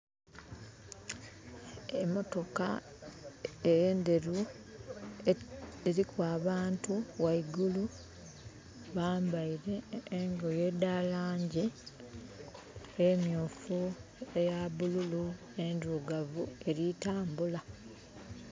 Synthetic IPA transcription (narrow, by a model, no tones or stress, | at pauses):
emo̞to̞ka̰ | ejeːnde̞ɾu | eɾikwaːβaːntuwaiɡulu | βaːmbaiɾe̞ːŋɡo̞je̞dalaːɲɟi | emjuːfuejaβululu | enduɡavue̞ɾitaːmbula